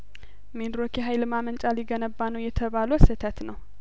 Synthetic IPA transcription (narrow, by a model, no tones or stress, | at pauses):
med̪ɾokʰeɦajlɨmamənt͡ʃʼaliɡənəbːanəwjɛt̪ʰəβalusɨt̪ʰət̪nəw